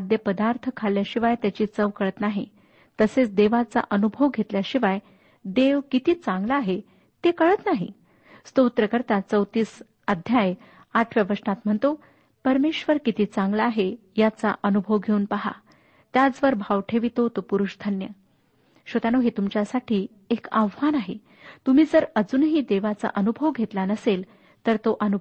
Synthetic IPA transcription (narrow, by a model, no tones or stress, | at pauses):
ad̪jəpəd̪aɾt̪ʰkʰaljaɕiʋajt̪jat͡ɕiːt͡səʋkəɭət̪naɦḭ | t̪əset͡sd̪eʋat͡sa̰ʔənubʱoʋɡʱet̪ljaɕiʋaj | d̪eʋkit̪iːt͡sãŋɡlaːɦe | t̪ekəɭət̪naɦḭ | st̪out̪ɾəkəɾt̪at͡səwt̪iːs | ad̪ʱjaj | aʈʰʋjaʋəʂnat̪m̤əɳt̪o | pəɾmeɕʋəɾkit̪iːt͡sãŋɡlaːɦejat͡sa̰ʔənubʱoʋɡʱeuːnpəɦa̰ | t̪jad͡zʋəɾbʱaʋʈʰeʋit̪ot̪opuɾuʂd̪ʱənjə | ɕot̪anoɦet̪umt͡ɕjasaʈʰiː | ekaʋʋanaɦe | t̪um̤iːd͡zəɾəd͡zuːnɦiːd̪eʋat͡sa̰ʔənubʱoʋɡʱet̪lanəsel | t̪əɾt̪oʔənu